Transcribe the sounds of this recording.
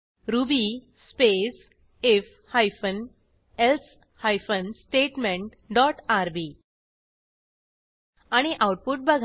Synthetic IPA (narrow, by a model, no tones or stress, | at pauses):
ɾubi | spes | ef | hajfən | els | hajfənsʈeʈmẽɳʈ | ɖɔʈaɾbi | aɽ̃iʔawʈ̚puʈ̚bəɡʱ